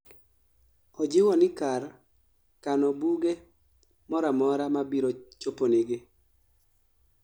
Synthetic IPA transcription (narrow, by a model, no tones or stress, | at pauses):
ɔd͡ʒɪwɔnɪkar | kanɔbuɡe | mɔɾamɔɾamabiɾot͡ʃoponiɡɪ